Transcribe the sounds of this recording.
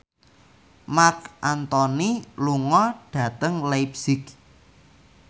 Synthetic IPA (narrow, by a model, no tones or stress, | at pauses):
makʔant̪ɔniluŋɔɖ̥ä̤t̪əŋlajpsɪk̚